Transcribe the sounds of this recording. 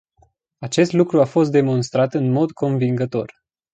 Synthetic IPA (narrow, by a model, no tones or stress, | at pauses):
at͡ʃe̞st̪lukɾuafo̞st̪̚d̪e̞mo̞nst̪ɾat̪ɨnmo̞d̪kʰo̞nviŋɡət̪o̞r